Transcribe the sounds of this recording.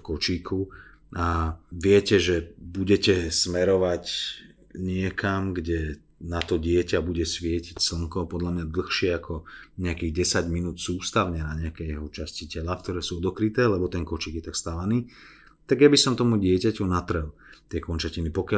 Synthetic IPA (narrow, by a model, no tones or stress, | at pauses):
kɔt͡ʃiːkʰu | aʋɪɛcɛʒɛbuɟɛcɛsmɛɾɔʋac | ɲɪɛkʰamɡɟɛ | nat̪ɔɟɪɛcabuɟɛsʋɪɛcicsl̩ŋkɔpɔd̪ʎamɲad̪l̩xʃɪɛakʰɔɲɛakiːɣɟɛsaɟminuːt̪suːst̪aʊɲɛnaɲɛakɛjɛɦɔt͡ʃascicɛlafk̚t̪ɔɾɛːsuɔd̪ɔkɾit̪ɛːlɛbɔt̪ɛnkɔt͡ʃiːɡjɛt̪akst̪alaniː | t̪aɡjabisɔmt̪ɔmuɟɪɛcacunat̪r̩ɦlt̪ɪɛkɔnt͡ʃacinipɔkɪa